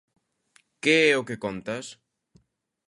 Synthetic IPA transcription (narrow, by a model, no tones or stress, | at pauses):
keɛʊkekont̪ɐs